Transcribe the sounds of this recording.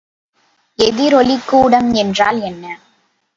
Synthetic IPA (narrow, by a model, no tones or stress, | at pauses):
ɛðɪɾɔlɪkːuːɽɐmɛndraːlɛnːɐ